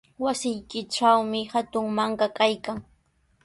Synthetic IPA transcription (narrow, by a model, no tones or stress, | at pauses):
wasɪjkɪʈ͡ʂawmɪhat̪ʊŋmaŋkakajkaŋ